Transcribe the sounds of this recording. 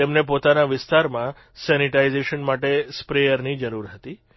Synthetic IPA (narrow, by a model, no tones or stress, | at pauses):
emnepot̪anaʋɪst̪aɾmã | sɛniʈaizeʃənmaʈespɾejəɾnid͡ʒəɾuɾɦət̪i